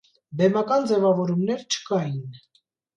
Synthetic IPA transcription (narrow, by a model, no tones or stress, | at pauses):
bɛmɑkɑnd͡zɛvɑvɔɾumnɛɾt͡ʃʰə̥kɑjin